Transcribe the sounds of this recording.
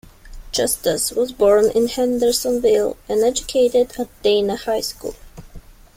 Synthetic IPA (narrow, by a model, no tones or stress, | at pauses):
d̥d͡ʒ̥ʌstɪswʌzbɔɹnʔɪ̰̃nhæ̃ndə˞sə̃nvɪlˠɨ̃nɛd͡ʒɨkʰeɪɾɪdæt̚d̥ẽɪnəhaɪskṵlˠ